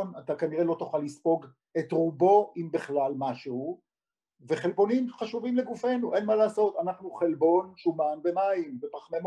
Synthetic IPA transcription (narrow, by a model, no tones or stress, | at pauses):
nat̪akaniʁe̞lo̞t̪uχalːispo̞ɡ | e̞t̪ʁubo̞ʔimbeχlalmaʃehu | ve̞χe̞lbo̞nimχaʃuvimleɡufe̞nuʔe̞nmalaːso̞t̪anaχnuχelbo̞nʃumanbe̞maimbepaχmem